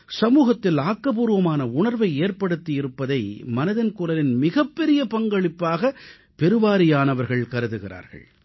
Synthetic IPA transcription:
sɐmuːɣɐt̪ːɪlaːkːɐp̬uːɾʋɐmaːnɐʊnɐɾʋɐɪeːɾpɐɽɯt̪ːijɪɾɯpːɐðɐɪmɐnɐðɐnkʊɾɐlɪnmɪɣɐpːɛɾɪjɐpɐŋɡɐɭɪpːaːɣɐ | pɛɾɯʋaːɾɪjaːnɐʋɐɾɣɐɭkɐɾɯðɯɣɪra̰ːɾɣɐ̰ɭ

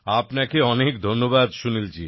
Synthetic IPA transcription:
apnakeɔnekd̪ʱonːobad̪ʃunilt͡ɕi

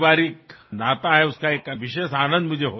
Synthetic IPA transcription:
ʋaɾiːknat̪aɦɛuskaekʋiɕesanə̃nd̪m̤ə̃nd͡ʑeɦo

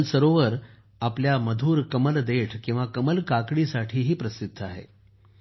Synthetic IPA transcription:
lsəɾoʋəɾ | apljaməd̪ʱuːɾkəməld̪eʈʰkĩw̃ʋakəməlkakɽiːsaʈʰiːɦiːpɾəsid̪ʱːəaɦḛ

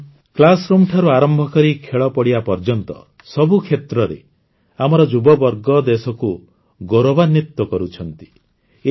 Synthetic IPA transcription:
klasɾumʈʰaɾuaɾɔmbʱɔkɔɾikʰeɭɔpɔɽiapɔɾd͡ʒɔnt̪ɔ̰ | sɔbukʰet̪ɾɔɾḛ | amɔɾɔd͡ʒubɔbɔɾɡɔd̪esɔku | ɡoɾɔbanːit̪wɔkɔɾut͡ʃʰɔnt̪i̥

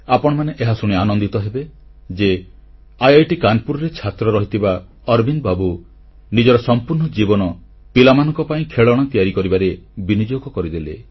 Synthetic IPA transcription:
apɔɽ̃maneʔeɦasuɽ̃ianɔnd̪it̪ɔɦebed͡ʒe | ajajʈikanpuɾɔɾet͡ʃʰat̪ɾɔɾɔɦit̪iba | ɔɾbinbabu | nid͡ʒɔɾɔsɔmpuɾnɔd͡ʒibɔnɔ | pilamanɔ̃ŋkɔpaĩkʰeɭɔɽ̃ɔt̪ijaɾikɔɾibaɾebinid͡ʒoɡɔkɔɾid̪elḛ

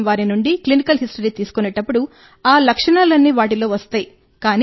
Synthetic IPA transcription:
ʋaːɾinuɳɖiklinikɐlɦisʈɐɾiːt̪iːsu̥kunɛʈːɐpːuɽu | aːlɐkʂɐɳaːlɐnːiːʋaːʈ̬ilo̞ːʋɐst̪aːji | kaːn

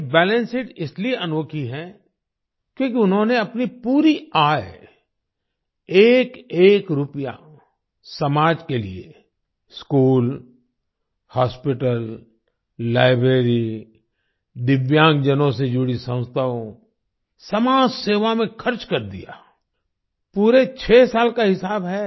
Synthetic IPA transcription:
bɛːlẽnsɪʈɪslieʔɐnoːkʰiɦɛ | kjõːkiʊnɦõneɐpnipuːɾiaːj | eːkeːkɾʊpja̰ | sɐmaːd͡ʒkelḭe | skuːl | haːspɪʈəlː | aːɪbɾeːɾi | d̪ɪʋjãːŋɡd͡ʒənõsed͡ʒʊɽisə̃ʊst̪ʰaõ | sɐmaːd͡ʒseːʋamẽkʰɐɾt͡ʃkɐɾd̪ḭja̰ː | puːɾet͡ʃʰeːsaːlkaɦɪsaːbɦɛ

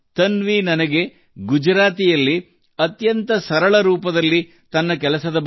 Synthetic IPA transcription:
t̪ɐnʋinɐnɐɡe̞ | ɡud͡ʒɾaːt̪ijɐlːi | ɐt̪jɐnt̪ɐsɐɾɐɭɐɾuːpɐd̪ɐlːi | t̪ɐnːɐkɛlɐsɐd̪ɐ

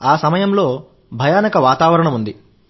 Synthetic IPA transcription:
aːsɐmɐjɐmlo̞ː | bʱɐjaːnɐkɐʋaːt̪aːʋɐɾɐɳɐmund̪i

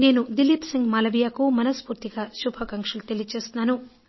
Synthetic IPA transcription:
ne̞ːnud̪ilːipsiŋɡmaːlɐbijaːkumɐnɐspuːɾt̪iɡɐʃubʱɐkɐŋkʂɐlut̪elit͡ʃe̞ːst̪naːnu

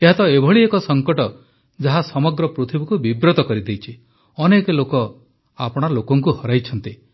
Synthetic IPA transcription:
eɦat̪ɔebʱɔɭiekɔsɔŋkɔʈɔ | d͡ʒaɦasɔmɔɡɾɔpɾut̪ʰibɔkubibɾot̪ɔkɔɾid̪ejt͡ʃʰi | ɔnekelokɔ | apɔɽ̃alokɔŋkuhɔɾajt͡ʃʰɔnt̪i

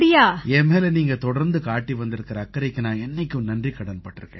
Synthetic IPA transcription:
ɽɪjaːeːmeːlɛniːŋɡɐt̪ɔɽɐɾnd̪ɯkaːʈːiʋɐnd̪ɪɾɯkːɪɾɐːkːɐɾɐɪkːɯnaːɛnːɐɪkʲːɯ̃nɐndrikɐɽɐnpɐʈːɯɾɯkːḛ̃ː

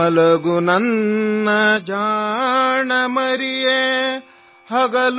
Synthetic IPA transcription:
ɐlɐɡunɐnːɐd͡ʒaː | ɳɐmɐɾije | hɐɡɐl

